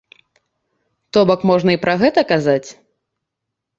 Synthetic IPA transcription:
t̪ɔbɐkmɔʐnɐipɾɐɣɛt̪ɐkazat͡sʲ

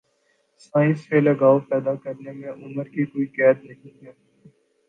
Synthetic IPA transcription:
sãːɪsselɐɡaːopɛːd̪akəɾnemẽʔʊməɾkikoːiːkɛːd̪nɐɦĩɦɛː

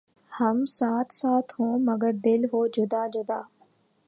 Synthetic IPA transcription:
həmsaːt̪ʰsaːt̪ʰɦõːməɡəɾd̪ɪlɦoːd͡ʒʊd̪aːd͡ʒʊd̪aː

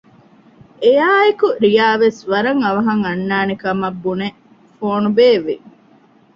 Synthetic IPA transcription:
ejaːekuɾijaːʋesʋɐɾɐŋɐʋɐɦɐŋɐnːaːnekɐmɐbːune | foːnubeːʋi

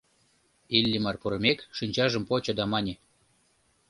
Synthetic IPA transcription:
ilʲːimɑrpuɾə̆mʲekʃinʲt͡ɕɑʒə̆mpot͡ɕɤ̆d̪ɑmɑnʲe

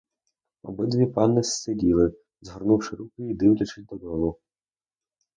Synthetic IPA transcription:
ɔ̰bɪd̪ʋʲipɑnːɪsːedʲilˠɪ | zɦɔrnuwʃɪɾukɪid̪ɪwlʲɐt͡ʃɪsʲd̪ɔd̪ɔlˠʊ

